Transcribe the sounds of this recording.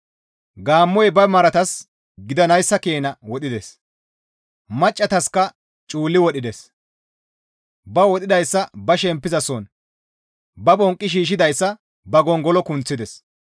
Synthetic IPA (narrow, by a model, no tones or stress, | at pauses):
ɡaːmːɔjbɐmɐɾɐt̪ɐs | ɡɪd̪ɐnɐjsːɐkeːnɐwɔɗɪd̪ɛs | mɐt͡ʃʼːɐt̪ɐskɐ | t͡ʃʼuːlːɪwɔɗɪd̪ɛs | bɐwɔɗɪd̪ɐjsːɐbɐʃɛmpːɪzɐsɔn | bɐbɔŋkʼːɪʃ̬iːʃ̬ɪd̪ɐjsːɐ | bɐɡɔŋɡɔlɔkʊnt͡sːɪd̪ɛs